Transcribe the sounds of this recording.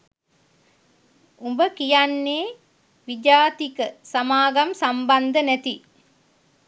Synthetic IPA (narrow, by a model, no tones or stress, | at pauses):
umbəkijanːeː | ʋid͡ʒaːt̪ikəsamaːɡamsamband̪ənɛt̪i